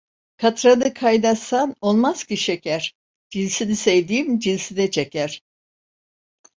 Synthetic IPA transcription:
kʰat̪ɾanɯkʰajnasano̞lˠmaz̥ciʃecʰæɾ̥ | d͡ʒinʲsinisejd̪iːmd͡ʒinʲsinɛt͡ʃʰecʰæɾ̥

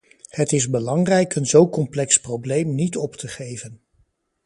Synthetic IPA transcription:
hətɪzbəlɑŋrɛjkʰənzowkɔmplɛksprowblejmnitɔptʰəχejvən

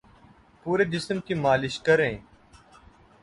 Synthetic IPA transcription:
puːɾeːd͡ʒɪsmkiːmaːlɪʃkəɾẽː

